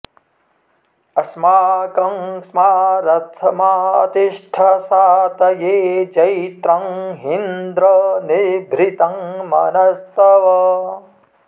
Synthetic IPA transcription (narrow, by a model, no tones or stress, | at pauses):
ɐsmaːkɐŋsmaːɾɐt̪ʰɐmaɐ̰t̪iʂʈʰɐsaːt̪ɐjeːd͡ʒɐjt̪ɾɐŋɦind̪ɾɐnebʱɾit̪ɐŋmɐ̰nɐst̪ɐʋɐ